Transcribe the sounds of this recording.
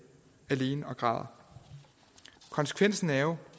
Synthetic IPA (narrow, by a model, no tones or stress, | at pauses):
æle̝ːnəɒ̽ɡ̥ʁɑ̈ð̰ˠɐ | kʰɒ̽nsə̥kʰʋen̰sn̩æʊ